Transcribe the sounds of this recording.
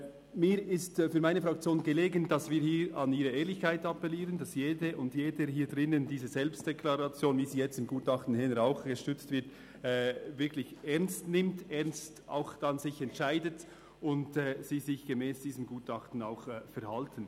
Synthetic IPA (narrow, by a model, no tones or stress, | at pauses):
miːɾɪstfyːɐmaɪnəfɾɑk̚t͡sjoːnɡəleːɡənd̥ɑsviːɾhiːɾɑniːɾəeːlɪçkaɪtɑpɛliːʁəndɑsjeːdəʔʊndjeːdəhiːdʁɪnəndiːzəzɛlpst̚d̥ɛkʰlɑʁɑt͡sjoːnviːziːjɛt͡stɪmɡuːtɑχtn̩hɛnəɾaʊxɡ̥əʃtʏt͡stvɪɐt | ɛːvɪɐklɪçɛʁnstnɪmtɛʁnsta̰ʊxd̥ɑnzɪçɛntʃaɪdət | ʊntɛːz̥iːzɪçɡ̥emɛːsd̥iːzəmɡuːtɑχtn̩a̰ʊxfɛɾhɑltʰən̩